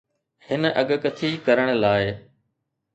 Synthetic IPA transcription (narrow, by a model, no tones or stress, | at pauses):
hɪnʔɐɠkət̪ʰiːkɐɾəɽ̃laːɪ